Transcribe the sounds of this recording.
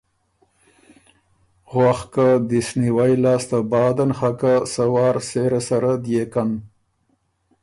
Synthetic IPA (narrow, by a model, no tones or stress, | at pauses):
ɣwaxkad̪isniwajlɑːst̪abɑːd̪anxakasawɑːɾseɾasaɾad̪jekan